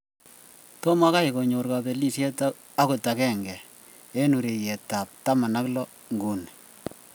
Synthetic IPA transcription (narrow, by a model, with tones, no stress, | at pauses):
to˦ma˦ka˦i˨ko˨ɲo˨rka˨be˨li˦sjɛ˦t | a˦ko˨ta˨kɛ˦ŋɡɛ˨ | e˦nu˨ɾe˨jɛ˨ta˨p̚ta˦ma˨na˦klɔ˦ | ŋɡu˨n